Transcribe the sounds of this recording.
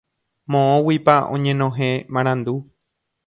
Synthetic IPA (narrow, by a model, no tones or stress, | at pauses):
mõõwipaõ̰ɲẽ̞nõɦẽmãɾ̃ãnd̪u